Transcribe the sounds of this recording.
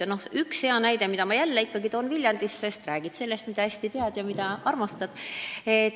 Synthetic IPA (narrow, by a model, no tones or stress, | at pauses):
no̞hykshe̞ɑnæjd̪e̞mid̪̥ɑmɑjælːeikːɑɡ̥it̪oːnvilʲjɑnd̪isːe̞st̪ræːɡ̥it̪se̞lːe̞st̪mid̪ɑæsʲt̪it̪eɑd̪̥jɑmid̪̥ɑɑrmɑst̪ɑd̪̥e